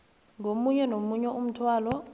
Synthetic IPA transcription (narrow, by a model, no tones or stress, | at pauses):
ŋomuɲɛnomuɲɛʔum̩tʰwaːlɔ